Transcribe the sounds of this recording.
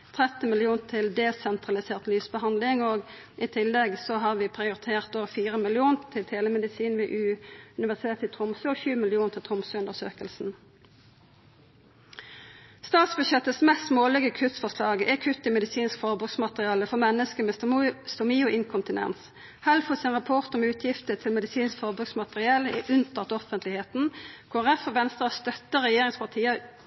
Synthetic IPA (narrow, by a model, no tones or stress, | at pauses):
t̪ʰʁɛt̪n̩mɪlɪuːnt̪ʰɪld̪eːsɛnt̪ʰʁɑlɪseːʁt̪lyːsbəhɑnd̪lɪŋoːɡ | ʔit̪ʰɪlːɛɡsɔɦɑʁʋiːpʰʁɪʊʁɪt̪ʰeːʁt̪oːʋəfiːʁəmɪlɪuːnt̪ʰɪlt̪ʰeːləmɛd̪ɪsiːnʋiːʔʉːʉnɪʋæʁsɪt̪ʰeːt̪ɪt̪ʰʁʊmsʉːɔçʉːmɪlɪuːnt̪ʰɪlt̪ʰʁʊmsʉʉnd̪əʁsø̰ːkəlsn̩ | st̪ɑːt̪sbʉd̪ʃɛt̪əsmɛst̪moːlɪɡəkʰʉt̪fɔʁslɑːɡɛkʰʉt̪ːɪmɛd̪ɪsiːnskfɔʁbʁʉɡsmɑt̪əʁɪɑːləfɔʁmɛnːəskəmɛst̪ʊmiːʊʔɪŋkʰʊnt̪ɪnɛ̰ns | hælfɔsɪnʁɑpʰɔʁt̪ɔmʉːt̪ʰjɪft̪ət̪ʰɪlmɛd̪ɪsiːnskfɔʁbʉksmɑt̪əʁɪɑːləɛʔʉnt̪ʰɑʁt̪ɔfənt̪lɪheːt̪n̩kʰoːæʁɛfɔʋɛnst̪ʁəɑst̪œt̪ːəʁɛjeːʁɪŋspʰɑʁt̪ʰiːə